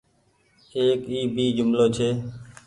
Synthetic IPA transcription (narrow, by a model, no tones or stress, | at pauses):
eːkiːbʱiːd͡ʒʊmloːt͡ʃʰeː